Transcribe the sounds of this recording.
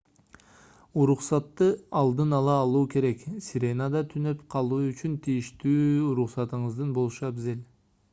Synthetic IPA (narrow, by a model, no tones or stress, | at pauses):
uɾuqsɑt̪ːɯɑlˠd̪ɯnɑlˠɑːlˠuːke̞ɾe̞ksʲiɾʲe̞nad̪ɑt̪ʰynøpqʰɑlˠuːyt͡ʃynt̪ʰijiʃt̪yːɾuχsɑt̪ɯɴɯzd̪ɯnbo̞lˠʃɑbizel